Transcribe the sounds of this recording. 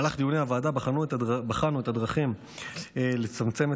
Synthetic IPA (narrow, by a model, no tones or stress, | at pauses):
laχd̪ijuneavaːd̪abaχanuet̪abaχanuet̪ad̪ʁaχim | le̞t͡samt͡se̞me